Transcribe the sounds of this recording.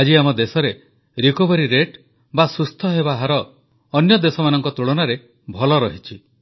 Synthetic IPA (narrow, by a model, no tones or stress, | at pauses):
ad͡ʒiamɔd̪esɔɾe | ɾikobɔɾiɾeʈ | basust̪ʰɔɦebaɦaɾɔː | njɔd̪esɔmanɔŋkɔt̪ɾuɭɔnaɾe | bʱɔlɔɾɔɦit͡ʃʰi